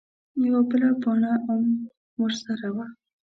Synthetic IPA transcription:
jawabəlapɑnaʔam | wəɾsaɾawa

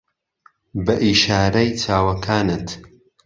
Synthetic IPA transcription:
bɐʔiːʃaːɾɐjt͡ʃʰaːwɐkʰaːnɨt̪

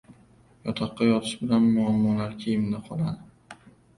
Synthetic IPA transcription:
jɒt̪ʰɑqːɑjɒt̪ʰɪ̥ʃbɪlanmʊamːɒlaɾkʲʰejɪmnɪqʰɒlˠad̪ɪ

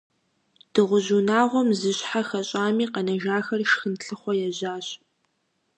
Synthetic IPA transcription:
d̥ɨʁʷʊʑunaːʁʷɔmzɨɕħaxɐɕʼaːmiːqɐnɐʒaːxɐrʃxɨnɬɨχʷɔjɛʑaːɕ

